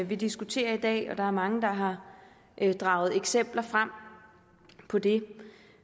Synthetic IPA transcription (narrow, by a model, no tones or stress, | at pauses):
ʋid̥isɡ̥ut͡sʰe̝̰ːɐid̥ɛ̰ːɒ̽d̥ɑ̈æɐmɑ̈ŋəd̥ɑ̈ɦɑ̈ | d̥ʁɑ̈ːʊð̞̩ˠeɡ̥sem̰b̥lɐfʁam̰ | pʰɒ̽d̥e̝